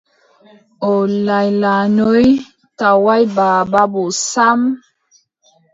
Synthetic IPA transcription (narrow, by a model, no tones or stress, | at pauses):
olajlanoj | tawajbababosam